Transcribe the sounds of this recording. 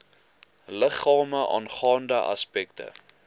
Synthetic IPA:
ləχɑːməʔɑ̰ːnχɑːndəʔɐ̰spɛktə̰

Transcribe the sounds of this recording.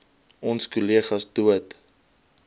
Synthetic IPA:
ɔnskuliəχɐsduət

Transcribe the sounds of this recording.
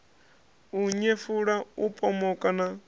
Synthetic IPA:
uɲefuɺaupʼɔmɔkʼana

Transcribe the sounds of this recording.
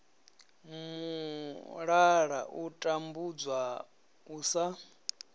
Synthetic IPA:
mu | ɺaɺa̰ʔutʼambud͡zwa | uːsa

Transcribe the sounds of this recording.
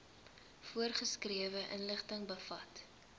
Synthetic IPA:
fuərχəskriəvəʔə̰nləχtəŋbəfɐt

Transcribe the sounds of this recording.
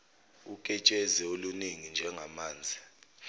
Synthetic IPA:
ukʼɛt͡ʃʼɛzɛoluniŋind͡ʒʱɛŋɡʱamaːnd͡zʱi

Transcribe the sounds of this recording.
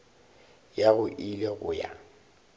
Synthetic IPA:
jaɣʊʔileɣʊja̰

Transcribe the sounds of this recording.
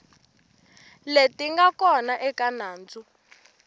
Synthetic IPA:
letʼiŋɡakɔnaʔɛkʼanaːnd͡zu

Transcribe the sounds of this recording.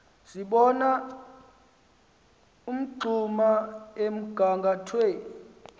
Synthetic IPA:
siɓɔna | um̩ǃʱumaem̩ɡ̥ʱaŋɡʱatʰweːni

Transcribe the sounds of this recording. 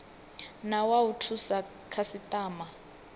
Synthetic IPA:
nawautʰusa | kʰasitʼaːma

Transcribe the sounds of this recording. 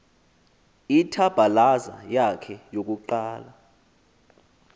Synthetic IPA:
itʰab̥ʱalaza̰jakʰɛjok̬ʼuǃaːla

